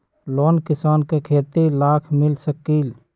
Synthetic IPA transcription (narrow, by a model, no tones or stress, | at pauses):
loːnkɪsaːnkekʰeːt̪ilaːkʰmɪlsəkːil